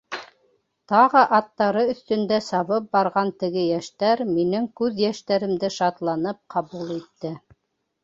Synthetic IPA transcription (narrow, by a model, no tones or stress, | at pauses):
t̪ɑʁɤʔɑt̪ːɑɾɤɵ̆θt̪ɵ̆nd̪æsɑβɤp̚bɑɾʁɑnt̪ɘ̆ɡɘjæʃt̪æɾminɘŋkʉðjæʃt̪æɾɘ̆md̪ɘʃɑt̪lˠɑnɤp̚qʰɑβulˠit̪ːɘ